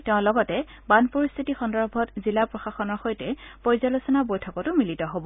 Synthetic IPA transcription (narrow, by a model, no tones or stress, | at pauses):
tɛʊ̃lɔɡɔtɛ | banpɔɹist̪ʰitixɔndɔɹbʱɔtzilapɹɔxaxɔnɔɹxojtɛpɔɹzalosɔnabojtʰɔkɔtʊmilitɔɦobɔ